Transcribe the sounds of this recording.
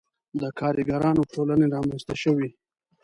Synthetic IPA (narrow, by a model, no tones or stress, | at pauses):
d̪əkʰɑɾiɡaɾɑnoʈʰolaneɾɑmanst̪aʃəwi